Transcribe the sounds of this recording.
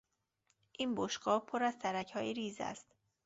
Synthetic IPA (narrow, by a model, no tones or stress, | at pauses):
ʔiːnboʃɡɒːhpʰoɾæzt̪ʰæɾæcʰhɒːjiɾiːzæ̰st̪